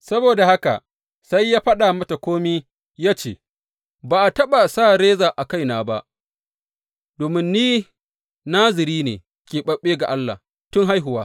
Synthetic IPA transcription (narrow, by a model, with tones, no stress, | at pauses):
sɐ˦boː˨da˨ha˦ka̰˨ | sa˦jːaː˦ɸɐ˦ɗa˨mɐ˦ta˨kʷoː˦miː˦ | jaː˦t͡ʃḛː˨ | baː˨ʔa˨tɐ˦ɓa˨saː˦˨ɾeː˦zaː˨ʔa˨ka˦jnaː˦ba˦ʔ | doː˨mɪ˦nːiː˦ | naː˦zɪ˨ɾiː˦nḛː˨ | kʲeː˨ɓɐ˨ɓeː˦ɡa̰˨ʔa˦lːa̰˨ | tʊ˦ŋɦa˦jɦʊ˨waː˦